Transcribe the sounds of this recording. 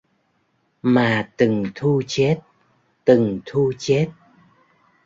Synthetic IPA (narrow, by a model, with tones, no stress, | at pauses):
maː˨˩t̪ɨ˨˩ŋt̪ʰu˧t͡ɕe˦˥t̚ | t̪ɨ˨˩ŋt̪ʰu˧t͡ɕe˦˥t̚